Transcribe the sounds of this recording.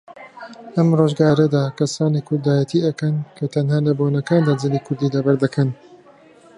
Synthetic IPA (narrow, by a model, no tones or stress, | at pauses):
ʔɐmroːʒɡaːɾɐd̪aːkɐsaːniːkʰʊɾd̪aːjɐt̪ʰiʔɐkɐnkʰɐt̪ʰɐnhaːlɐboːnɐkaːnd̪aːd͡ʒɨliːkʰʊɾd̪iːd̪aːbɐɾd̪ɐkʰɐn